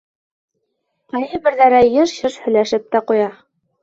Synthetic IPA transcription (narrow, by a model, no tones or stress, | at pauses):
qɑjɤbɘ̆ɾðæɾæjɤʃɕɤʃhɵ̆jlæʃɘp̚t̪æqujɑ